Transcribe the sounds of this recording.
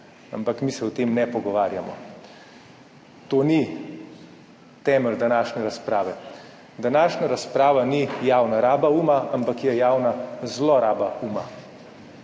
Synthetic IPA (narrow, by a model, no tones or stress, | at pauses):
a̰mpakmisɛɔt̪eːmnɛpɔɡɔʋaːɾjamɔ | t̪oːni | t̪ɛːməld̪anaːʃnɛɾaspɾaːʋɛ | d̪anaːʃnaɾaspɾaːʋanijaːwnaɾaːbauːmaʔampakjɛjaːwnazlɔɾaːbauːma